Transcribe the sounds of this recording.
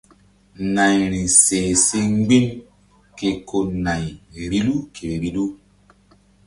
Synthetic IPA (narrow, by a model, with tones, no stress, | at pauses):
na˨jɾĩ˨seː˨se˦ŋ˦ɡ͡bi˦n | ke˨ko˦na˨jɾi˦lu˦kʰe˨ɾi˦lu˦